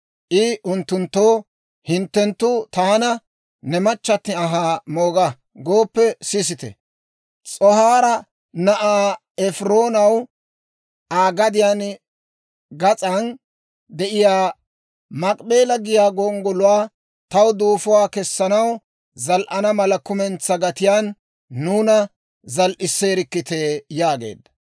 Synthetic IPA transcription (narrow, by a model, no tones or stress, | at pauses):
ʔɪʔʊnt̪ːʊnt̪ːo̞ː | hɪnt̪ːɛnt̪ːʊt̪aːnɐ | nɛmɐt͡ʃːɐt̪ːɪɐɦaːmo̞ːɡɐ | ɡo̞ːpːɛsɪs̬ɪt̪ɛ̰ | t͡sʼɔhaːɾɐ | nɐʔaː | ɛfɾoːnɐw | ʔaːɡɐd̪ɪjan | ɡɐt͡sʼɐn | d̪ɛʔɪjaː | mɐkʼbe̞ːlɐɡɪjaːɡɔŋɡɔlʊwaː | t̪ɐwd̪uːfʊwaːkɛsːɐnɐw | zɐlʔɐnɐmɐlɐkʊmɛnt͡sːɐɡɐt̪ɪjaːnː | uːnɐ | zɐlʔɪsːeːɾɪkːɪt̪e̞ːjaːɡe̞̰ːd̪ːɐ̥